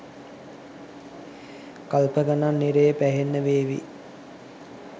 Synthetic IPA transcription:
kalpəɡananːiɾejəpæɦenːəʋeːʋḭ

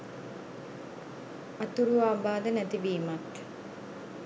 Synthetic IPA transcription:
at̪uɾuaːbaːd̪ənæt̪ibiːmat̪

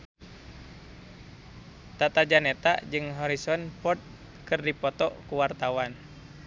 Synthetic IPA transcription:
t̪at̪ad͡ʒanɛt̪a̰d͡ʒɨŋɦɔɾisɔnpɔt̪̚ | kɨrdipɔt̪ɔʔkuwart̪awan

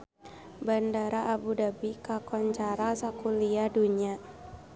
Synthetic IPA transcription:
bandaɾaʔːbudabikakɔɲt͡ʃaɾasakuliaduɲa

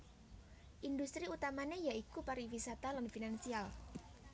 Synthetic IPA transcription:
ʔindust̪ɾiut̪amanejaikupaɾiwisat̪alanfinansial

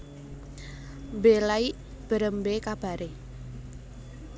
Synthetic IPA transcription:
mbelaiʔ | b̥əɾəmbekab̥a̤ɾe

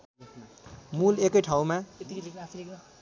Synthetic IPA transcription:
mulekʌjʈʰaw̃ma

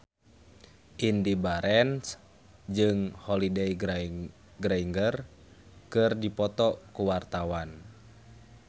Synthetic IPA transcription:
ʔindibaɾɛns | d͡ʒɨŋhɔlidɛj | ɡɾaiŋɡər | kɨrdipɔt̪ɔkuwart̪awan

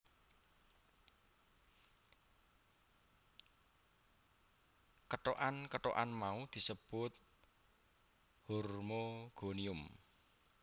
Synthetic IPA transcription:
kəʈoʔankəʈo̰ʔanmaud̪̥i̤səb̥ʊt̪̚ | hurmoɡ̥oniʊm

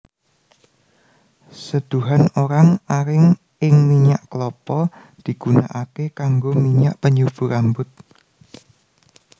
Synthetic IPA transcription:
səd̪̥uɦanoɾaŋaɾɪŋ | ɪŋmiɲaʔklɔpɔ | d̪̥i̤ɡ̥una̰ʔakekaŋɡomiɲaʔpəɲub̥ṳɾambʊt̪̚

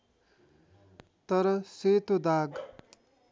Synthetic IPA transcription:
t̪ʌɾʌset̪od̪aɡ

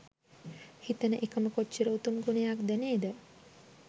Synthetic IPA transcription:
hit̪ənəʔekəməkot͡ʃːt͡ʃːiɾəut̪umɡunejakd̪æneːd̪ə

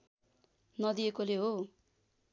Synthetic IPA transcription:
nʌd̪iekoleɦo

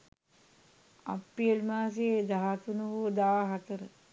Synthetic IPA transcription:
a̰pːiəlmaːs̬eed̪aɦat̪unuʋud̪aːɦat̪əɾə

